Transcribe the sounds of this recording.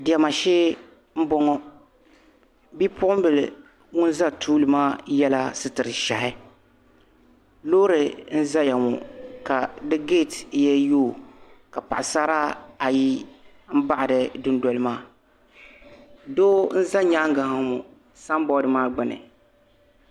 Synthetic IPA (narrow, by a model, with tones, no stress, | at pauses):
dɪ˨ɛ˨ma˨ʃɪː˦ | m̩˦bɔ˦ŋɔ˦ | bi˦pʊ˦ʔʊ˦m˦bɨ˨l | ŋʊ˦nza˦tʰuː˦lɨ˨maː˦jɛ˦la˦sɨ˦tɨ˨ɾɨ˨ʃa˨hɪ˦ | loː˦ɾɨ˨n̩˦za˦ja˨mʊ˨ka˨dɨ˦ɡe˦˨tjɛ˦joː˦˨ka˨pa˨ʔɪ˨sa˦ɾa˦a˨ji˦ | m̩˦ba˦ʔɪ˨dɨ˨dʊ˦ndɔ˦˨lɨ˦maː˦ | doː˦n̩˦za˦ɲaː˦ŋ˦ɡa˨ha˨˦mu˨ | sa˦m˦bɔ˦dɨ˨maː˦ɡ͡bɨ˨nɨ̰˨